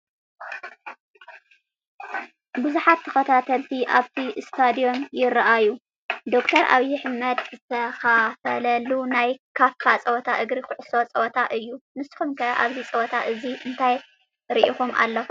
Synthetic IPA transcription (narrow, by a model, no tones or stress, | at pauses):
bɨzuħat̪ʰːɐxɐt̪ʰat̪ʰɐlt̪ʰiʔaβt̪ʰist̪ʰad̪io̞njɪɾɐʔaju | d̪o̞kt̪ʰɐɾʔa̰βjɪħɨmɐd̪zɨt̪ʰɐxafɐlɐlunajkʰafkʰat͡sʼɐwɔt̪ʰaʔɨɡɾixʊʕʊso̞t͡sʼɐwɔt̪ʰaʔɨjːunɨsɨ̥xumkʰɐʔaβzit͡sʼɐwɔt̪ʰaʔɨziɨnt̪ʰaj | ɾiʔixumʔa̰lːo